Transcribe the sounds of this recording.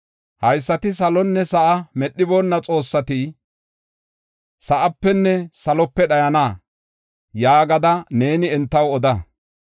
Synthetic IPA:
hɐjsːɐt̪ɪs̬ɐlɔnːɛsɐʔɐmɛɗːɪbo̞ːnːɐt͡sʼo̞ːsːɐt̪i | sɐʔɐpːɛnːɛsɐlɔpːɛɗɐjɐnaː | jaːɡɐd̪ɐne̞ːnɪɛnt̪ːɐwɔd̪ɐ

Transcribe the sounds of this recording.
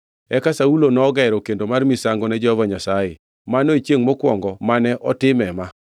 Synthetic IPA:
ɛkasaulonɔːɡɛɾɔkendomarmisaŋɡonɛd͡ʒɔhɔvaɲasajɪ | manoit͡ʃjeŋmɔkwɔ̰ŋɡɔmanɛʔɔtɪmɛma

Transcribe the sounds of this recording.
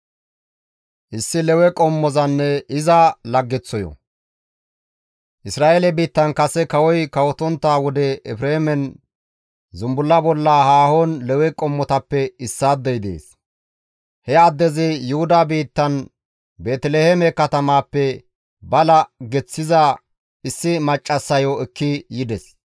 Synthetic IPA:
ʔɪsːɪlɛwɛkʼɔmːɔzɐnːɛɪzɐlɐɡːɛt͡sːɔjɔ̰ | ʔɪsɾaːʔeːlɛbiːt̪ːɐnkɐsɛkɐwɔjkɐwɔt̪ɔnt̪ːaːwɔd̪ɛɛfɾeːmɛn | zʊmbʊlːɐbɔlːahaːhoːnlɛwɛkʼɔmːɔt̪ɐpːɛɪsːaːd̪ːɛjd̪ḛːs | hɛad̪ːɛzɪjʊhʊd̪abiːt̪ːɐn | be̞ːt̪ɛleːhɛmɛkɐt̪ɐmaːpːɛ | bɐlɐɡɛt͡sːɪzɐ | ɪsːɪmɐt͡ʃʼːɐsːɐjoɛkːɪjɪd̪ɛs

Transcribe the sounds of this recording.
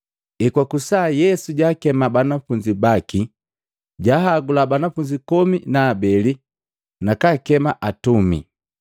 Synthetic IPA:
ɛkwakusaːjɛsuɟaːkɛmabanafuɲd͡ʒibaki | ɟaɦaɡulabanafuɲd͡ʒikɔminaːbɛli | nakakɛmaʔatumḭ

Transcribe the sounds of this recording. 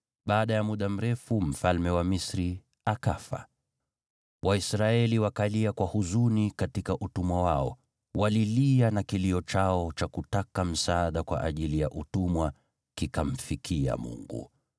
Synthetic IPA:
ɓaːɗajamuɗam̩ɾɛfum̩falmɛwamisɾi | akafa̰ | wʔaisɾaɛliwakaliakwahuzunikatikaʔutumwawaɔ | wʔalilianakiliɔt͡ʃaɔt͡ʃakutakam̩saːɗakwa̰ʔaʄilijaʔutumwa | kikam̩fikʰia̰mṵŋɡṵ

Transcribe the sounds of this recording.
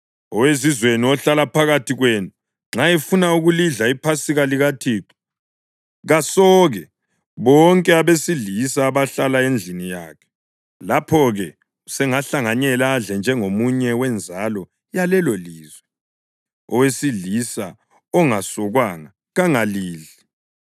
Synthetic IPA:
ɔwezizweniɔɬalapʰaɣatʰiɣwenu | ŋ͡ǁaɛfunauɣuliɮaipʰasiɣaliɣatʰiːǁu̥ | ɣasɔːɣɛ | βɔŋkʼɛaβesiɮisaːβaɬalaend͡ɮʱinija̰ːkʰɛ̥ | lapʰɔɣɛ | usɛŋaɬaŋaɲɛlaɮɛnd͡ʒʱɛŋomuɲɛwɛnd͡zʱalɔ | jalɛloliːzwɛ | ɔwesiɮisa | ɔŋasɔɣwaŋa | ɣaŋaliːɮi

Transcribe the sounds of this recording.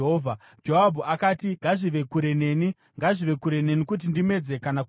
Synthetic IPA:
ɦoːvʱa | d͡ʒoɦabʱuʔakaːtiŋɡaʐiʋe̞kuɾe̞ne̞ːni | ŋɡaʐiʋe̞kuɾe̞ne̞nikut̬indime̞d͡ze̞kanak

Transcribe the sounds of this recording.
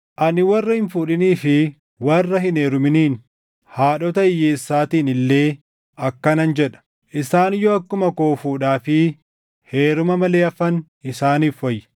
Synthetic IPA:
ʔɐnɪwɐrːɐhɪnfuːᶑɪniːfɪ | wɐrːɐɦɪneːɾʊmɪniːn | haːᶑɔt̪ɐɪjːeːsːaːt̪iːnɪlːe̞ː | ɐkːɐnɐnd͡ʒɛᶑɐ̥ | ʔɪsaːnɪjːoɐkːʊmɐkoːfuːᶑaːfɪ | he̞ːɾʊmɐmɐle̞ːɐfɐn | ɪsaːniːfɔjːɛ̥

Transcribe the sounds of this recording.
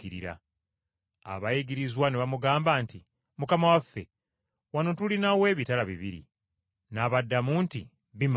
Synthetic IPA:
iɾḭɾa̰ | a̰βajiɡiɾizwaneβamuɡaːmbaːnti | mukamawafːe̞ | wano̞tulinawe̞ːβitalaβḭβḭɾḭ | naβadːamuːnti | βim

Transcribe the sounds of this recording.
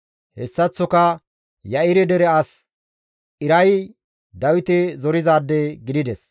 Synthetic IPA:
hɛsːɐt͡sːɔkɐ | jɐɪɾɛd̪ɛɾɛɐs | ʔɪɾɐj | d̪ɐwɪt̪ɛzɔɾɪzaːd̪ːɛɡɪd̪ɪd̪ɛs

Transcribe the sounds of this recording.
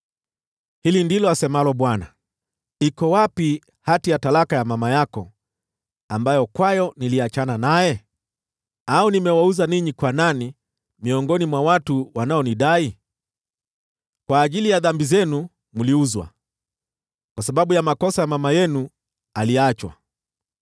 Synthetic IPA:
hilindilɔasɛmalɔɓwana̰ | ikɔwapi | hatijatalakajamamajakɔ | ambajɔkwajɔniliat͡ʃananajɛ | aunimɛwauzaniɲikwanani | miɔŋɡɔnimwawatuwanaɔniɗai | kwaːʄilijaðambizɛnu | muliuzwa̰ | kwasaɓaɓujamakɔsajamamajɛnu | aliat͡ʃwa̰

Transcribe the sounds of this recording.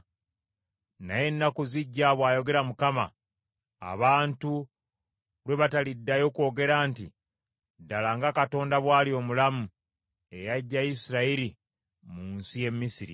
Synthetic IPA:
naje̞nːakuziɟːaβwaːjo̞ɡe̞ɾamukama̰ | a̰βaːntu | lwe̞βatalidːajo̞ko̞ːɡe̞ɾaːnti | dalaːŋɡakato̞ːndaβwaːlio̞mulamu | e̞jaɟːajisiɾaiɾi | muːnsije̞mmːisiɾḭ

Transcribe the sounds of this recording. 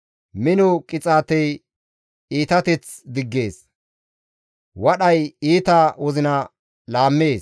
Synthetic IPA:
mɪnɔkʼɪt͡sʼaːt̪ɛj | iːt̪ɐt̪ɛt͡s | d̪ɪɡːe̞ːs | wɐɗɐjiːt̪awɔzɪnɐ | laːmːeːs

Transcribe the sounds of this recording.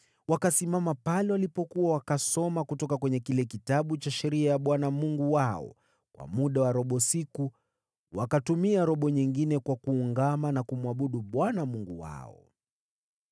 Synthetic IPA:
wakasimamapalɛwalipɔkuwawakasɔmakutɔkakwɛɲɛkilɛkitaɓut͡ʃaʃɛɾiajaɓwanamuŋɡuwaɔ̰ | kwa̰muɗawaɾɔɓɔsiku | wakatumiaɾɔɓɔɲiŋɡinɛkwakuːŋɡamanakumwaɓuɗuɓwanamuŋɡuwa̰ɔ̰

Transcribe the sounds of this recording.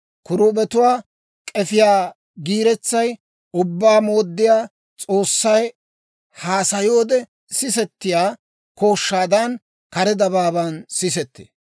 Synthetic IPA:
kʊɾuːbɛt̪ʊwaː | kʼɛfɪjaː | ɡiːɾɛt͡sːɐj | ʊbːaːmo̞ːd̪ːɪjaː | t͡sʼo̞ːsːɐj | haːsɐjo̞ːd̪ɛ | sɪsɛt̪ːɪjaː | ko̞ːʃːaːd̪ɐn | kɐɾɛd̪ɐβaːbansɪsɛt̪ːḛː

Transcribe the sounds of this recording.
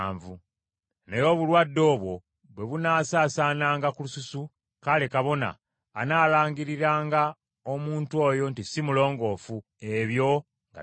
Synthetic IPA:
ɱvu | ne̞jo̞βulwadːo̞ːβwo̞ | βwe̞βunaːsaːsaːnaːŋɡakulususu | kalekaβo̞na̰ː | naːlaːŋɡiɾiɾaːŋɡa | omuːntwo̞ːjo̞ntisimulo̞ːŋɡo̞fu | e̞βjo̞ | ŋɡa̰

